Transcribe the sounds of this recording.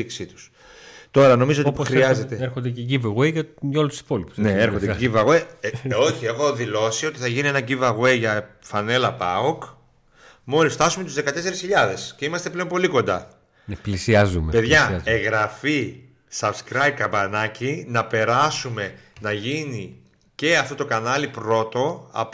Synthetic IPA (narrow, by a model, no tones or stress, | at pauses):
iksit̪u̥s | t̪o̞ɾɐno̞mizoixɾiɐzet̪eeɾxond̪eceɟiveɣejʝɐʝɐolut̪u̥si̥po̞lipu̥sneeɾxond̪eɟivɐɣweo̞çie̞xo̞ðilo̞sio̞t̪iθɐʝinie̞nɐɟivɐɣwejʝɐfɐne̞lɐpɐok | mo̞lisft̪ɐsume̞t̪uzðe̞kɐt̪e̞se̞ɾesçiʎɐðe̞sce̞imɐst̪e̞ple̞npo̞liko̞nd̪ɐ | nplisiɐzumepe̞ðʝɐeɣɾɐfi | sɐb̪skɾajb̚kɐmbɐnɐcinɐpe̞ɾɐsume̞nɐʝini | ce̞ɐft̪o̞t̪okɐnɐlipɾo̞t̪o̞ɐ̰p